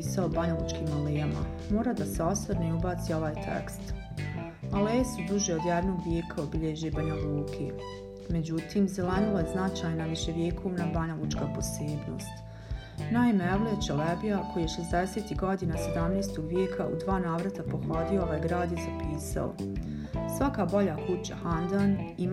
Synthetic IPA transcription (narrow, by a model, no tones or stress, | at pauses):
saobaɲalˠut͡ʃkiːmalejama̰moːɾad̪aseo̞sad̪neubaːt̪sio̞ʋaːjt̪ʰḛkst̪ | alejesud̪uʒeod̪jɛd̪no̞ːɡʋjeːkaobiʎeʒebaɲalˠuːkʰe | me̞d͡ʑut̪iːmzelenilˠajeznat͡ʃaːjnaʋiʃe̞ʋjeːkʰo̞ːʋnabaɲalˠut͡ʃkapo̞seːbno̞̰ːst̪ | naːimeeʋlet͡ɕelebijako̞jijeʃezd̪eseːt̪iɡo̞d̪inase̞d̪amnejst̪o̞ɡʋjeːkʰaʔṵd̪ʋaːnaːʋɾat̪apoxod̪iooajɡɾaːd̪jezapiːsa̰o̰ | sʋakaːbo̞ʎaːkut͡ɕa̰hand̪anim